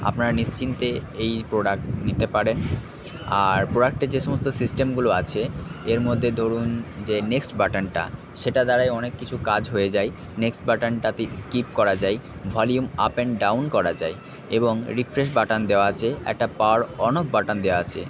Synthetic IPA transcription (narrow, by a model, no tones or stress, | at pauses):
a̰pnaɾnist͡ɕint̪eejpɾoɽak̚ʈnit̪epaɾen | aɾpɾoɖak̚ʈeɾd͡ʑeʃomost̪osisʈemɡuloat͡ɕʰeeɾmod̪ʱːed̪ʱoɾund͡ʑeneksʈbaʈanʈa̰ | ʃeʈad̪aɾajɔnekːit͡ɕʰukad͡ʑɦojed͡ʑaj | neksʈbaʈanʈat̪eskip̚kɔɾad͡ʑajvʱɔljuma̰peɳɖawnkɔɾad͡ʑae | eboŋɾifɾeʃ̬baʈand̪eoat͡ɕʰeɛ̰k̚ʈapaɾɔnok̚baʈand̪eoaat͡ɕʰḛ